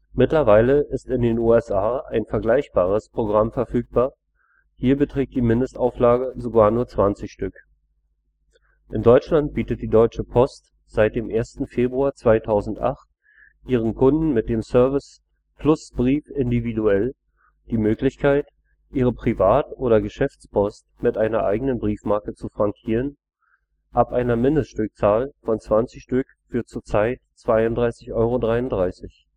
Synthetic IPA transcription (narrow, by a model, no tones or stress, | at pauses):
mɪtlɐvaɪləʔɪstɪndeːnuːɛsʔaːa̰ɪnfɛɐɡlaɪçb̥aːʁ̞əspʁ̥oɡʁamfɛɐfyːk̚b̥aːɐ | hiːɐbətʁ̥ɛːk̚td̥iːmɪndəstaʊflaːɡəzoɡaːɐnuːɐt͡sv̥ant͡sɪçʃtʏk | ʔɪndɔʏt͡ʃlant̚b̥iːtət̚d̥iːdɔʏt͡ʃəpʰɔst | z̥aɪt̚d̥eːmʔeːɐstn̩feːbʁuaːɐt͡sv̥aɪtʰaʊzn̩tʔa̰χt | ʔiːʁ̞ənkʰʊndn̩mɪt̚d̥eːmsœɐvɪs | plʊsb̥ʁiːfɪndividuɛl | d̥iːmøːklɪçkʰaɪt | ʔiːʁ̞əpʁ̥ivaːtʔoːɾɐɡəʃɛft͡spʰɔstmɪtʔaɪnɐʔa̰ɪɡənənbʁiːfmaɐkət͡sufʁ̥aŋkʰiːʁən | ʔapʔaɪnɐmɪndəstʃtʏk̚t͡saːlfɔnt͡sv̥ant͡sɪçʃtʏk | fyːɐtt͡suːɐt͡saɪtt͡sv̥aɪʊntdʁaɪsɪçʔɔʏʁodʁaɪʊnd̥ʁaɪsɪç